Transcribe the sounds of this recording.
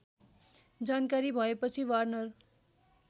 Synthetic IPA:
d͡zankaɾibʱʌepʌt͡sʰiwarnʌr

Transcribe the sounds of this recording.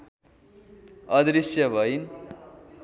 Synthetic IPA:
ʌd̪ɾisjʌbʱʌin

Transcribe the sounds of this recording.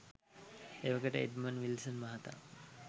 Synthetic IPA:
eʋəɡəʈəeɖmənʋilsənmaɦat̪a̰

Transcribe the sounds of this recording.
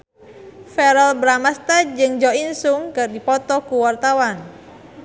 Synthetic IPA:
fɛɾəlbɾamast̪ad͡ʒɨŋd͡ʒɔinsuŋkɨrdipɔt̪ɔkuwart̪awan

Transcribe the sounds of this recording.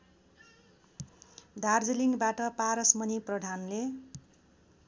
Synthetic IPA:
d̪ʱard͡zeliŋɡbaʈʌpaɾʌsmʌniprʌd̪ʱanle

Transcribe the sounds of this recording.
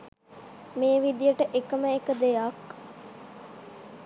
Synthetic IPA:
meːʋid̪ijəʈəʔekəməekəd̪ejak

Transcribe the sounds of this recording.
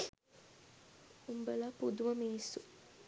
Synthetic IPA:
umbəlapud̪uʋəmiːsu

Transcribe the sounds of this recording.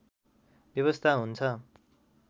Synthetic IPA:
bjʌβʌst̪ʰaɦunt͡sʰʌ

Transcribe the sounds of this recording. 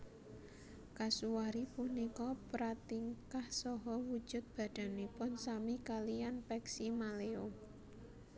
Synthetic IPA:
kasuwaɾipunikɔpɾat̪iŋkahsɔɦɔwud̥ʒ̥ʊ̤t̪̚b̥ä̤d̥a̤nepʊnsamikalijanpɛksimaleo

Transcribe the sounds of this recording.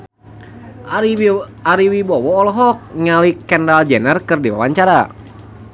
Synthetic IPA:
aɾiwibɔwɔːlɔɦɔk̚ŋalikɛndald͡ʒɛnərkɨrdiwa̰waɲt͡ʃaɾa̰

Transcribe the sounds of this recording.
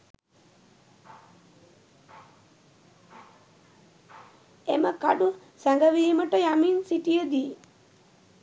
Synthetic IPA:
eməkaɗu | sæŋɡəʋiːməʈəjaminsiʈijəd̪iː

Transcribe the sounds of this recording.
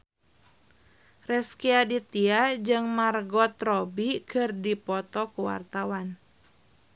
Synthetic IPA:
rɛskiadit̪iad͡ʒɨŋmarɡɔt̪rɔbikɨrdipɔt̪ɔkuwa̰rt̪awan

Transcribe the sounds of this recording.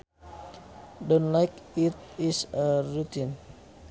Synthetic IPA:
donlajkit̪̚isəɾut̪in

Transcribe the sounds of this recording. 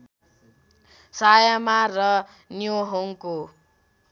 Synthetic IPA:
sajamarʌ | njoɦoŋko

